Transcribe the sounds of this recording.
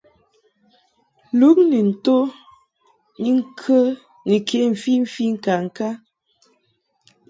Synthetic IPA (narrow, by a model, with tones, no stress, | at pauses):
lu˨˦k̚ne˨n̩˨to˦ | ni˦ŋ̩˦kʰə˦ | ne˨kʰe˨˦m̩˨fi˦m̩˦fi˦ŋ̩˦˨ka˨ŋ̩˨ka˦